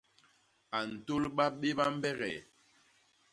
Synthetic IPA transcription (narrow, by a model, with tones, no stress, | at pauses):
a˨n̩˨to˦lɓa˦ɓe˦ɓa˦m̩˦bɛ˦ɣɛ̰˨